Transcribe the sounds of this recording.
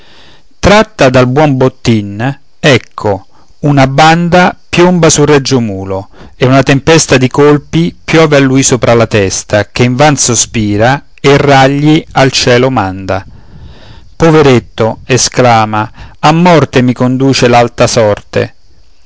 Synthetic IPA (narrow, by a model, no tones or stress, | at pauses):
t̪ɾat̪ːad̪albwɔmbot̪ːin | ɛkʰːo | unaband̪apjombasurɛd͡ʒːomuːlo | eunat̪empɛst̪ad̪ikolpipjɔːvealːujsoːpɾʔalat̪ɛst̪ak̟eiɱvansospiːɾa | erːaʎːialt͡ʃɛːlomand̪a | poveɾet̪ːoesklaːmaamːɔrt̪emikond̪uːt͡ʃelalt̪asɔrt̪ḛ